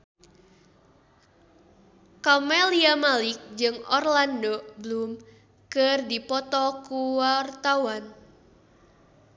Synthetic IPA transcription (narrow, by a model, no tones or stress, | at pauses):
kɔmɛliamalɪk̚d͡ʒɨŋɔrlandɔblum | kɨrdipɔt̪ɔkuwart̪awan